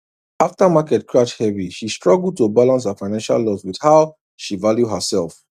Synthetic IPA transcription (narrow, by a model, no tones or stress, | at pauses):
aftəmakɛt̚kʰɹaʃhɛviʃistɹ̥ɔɡl̩ˠd̚tobalãns̬həfaɪnãnʃa̰llɔzwið̥haʊ | ʃivaljuɦəsɛ̰lˠf